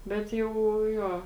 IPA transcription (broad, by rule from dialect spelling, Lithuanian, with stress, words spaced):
ˈbʲɛt jɛʊ ˈjoː